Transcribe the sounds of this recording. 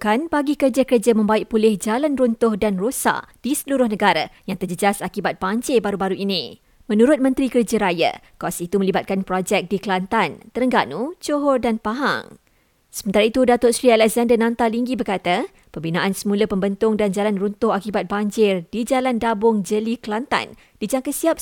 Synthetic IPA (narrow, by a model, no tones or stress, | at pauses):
kanbaɡikərd͡ʒəkərd͡ʒəmə̃mbaɪʔpulɪhd͡ʒalanrunt̪ʊhdanrosa̰ʔd̥isəluɾʊhnəɡaɾajaŋt̪ərd͡ʒəd͡ʒasakibat̪̚b̥aɲt͡ʃebaɾubaɾuʔinĩ | mə̃nuɾʊt̪̚mə̃nt̪ɾikərd͡ʒəɾaja̰kasit̪umə̃libat̪̚kanpɾɔd͡ʒɛk̚dikəlant̪ant̪əɾəŋɡanut͡ʃoɦɔrdanpaɦa̰ŋ | səmənt̪aɾait̪udat̪ʊʔsɾialɛkzandənãnt̪aliŋɡibərkat̪a | pəmbinãʔansəmũləpəmbənt̪ʊŋdand͡ʒalanrunt̪ʊhakibat̪̚baɲd͡ʒɪrdid͡ʒalandabʊŋd͡ʒəliklant̪a̰n | d̥id͡ʒaŋkəsiap̚